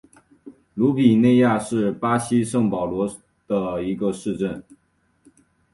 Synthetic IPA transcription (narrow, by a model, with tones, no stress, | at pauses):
lu˧˥pi˨˩ne˥˧ɪja˥˧ʂɻ̩˥˩pa˥ɕi˥ʂɤ˥˩ŋpɑ˨˩ʊlwɔ˧˥ | d̪̥ə˨i˧˥ɡə˧ʂɻ̩˥˧ʈ͡ʂə˥˩n